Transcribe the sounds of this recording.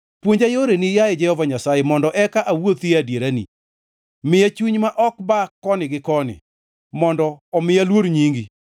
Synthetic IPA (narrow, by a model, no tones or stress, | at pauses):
pwoɲd͡ʒajoɾenijaɛd͡ʒɛhɔvaɲasajemɔndɔʔɛkaʔawot̪iadjeɾanḭ | mɪjat͡ʃuɲmaʔɔkbakːɔnɪɡɪkɔnɪ̰ | mɔndɔːmɪjalwoɾɲiŋɡi